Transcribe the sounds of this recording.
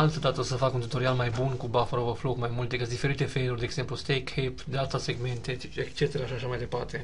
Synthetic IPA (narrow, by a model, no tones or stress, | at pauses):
alt̪əd̪at̪əsəfakunt̪ut̪o̞ɾialmajbunkubafaɾovəflokmajmult̪ekɨt̪d̪ife̞ɾit̪e̞fejlurd̪eɡze̞mplust̪ejkhepd̪eat̪ase̞ɡme̞nt̪e | ekst͡ʃe̞t̪eɾaːʃiaʃamajd̪e̞part̪e̞